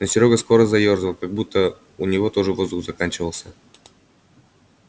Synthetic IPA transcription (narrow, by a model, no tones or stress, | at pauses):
nəsʲɪɾʲoɡəsko̞ɾəzɐjo̞rzəlˠkaɡ̚but̪ːə | ʊnʲɪvo̞t̪o̞ʐɨvo̞zd̪ʊxzɐkanʲt͡ɕɪvəlˠsʲə